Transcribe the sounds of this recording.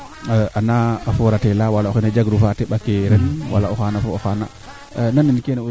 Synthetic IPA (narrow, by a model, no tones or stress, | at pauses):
ʔanaːfɔɾatɛlawalaɔxɛnad͡ʒaɡɾufatɛɓakeɾɛnwa̰laɔxanafoɔxana | nanːinkɛnɛ